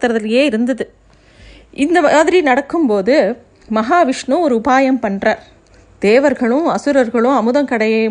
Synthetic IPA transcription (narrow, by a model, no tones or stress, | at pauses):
t̪ːɐɾɐðɪlɐjeːɪɾɯnd̪ɐðɯ | ʔɪnd̪ɐmaːðɪɾinɐɽɐkːɯmpoːðɯ | mɐɦaːʋɪʂɳɯ̃ɔɾɯʊpaːjɐmpɐɳrɐ | d̪̥eːʋɐɾɣɐɭɯ̃ɐsɯɾɐɾɣɐɭɯ̃ɐmɯðɐmkɐɽɐjɐ